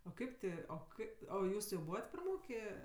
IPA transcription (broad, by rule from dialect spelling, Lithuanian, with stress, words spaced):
oː ˈkɐɪp tʲɪ oː ˈkɐɪp oː ˈjuːs jɛʊ ˈbuːʋɐt prɐˈmoːkʲeː